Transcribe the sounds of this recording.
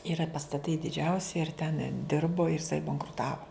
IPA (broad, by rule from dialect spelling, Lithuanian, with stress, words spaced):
ɪˈrɐ pɐstɐˈtɐɪ dʲɪˈd͡ʒʲɛʊsʲɪ ɪr tʲɛn ˈdʲɪrboː ɪr ɪˈsɐɪ bɐŋkrʊˈtɑːʋoː